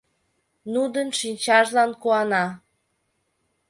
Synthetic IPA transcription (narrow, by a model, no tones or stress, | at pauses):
nud̪ənʃinʲt͡ɕɑʒlɑnkuɑnɑ